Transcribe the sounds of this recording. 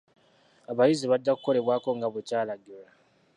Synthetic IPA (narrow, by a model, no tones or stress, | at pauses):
aβajiziβadːaku̥ko̞le̞βwaːko̞ŋɡaβecaːlaɡila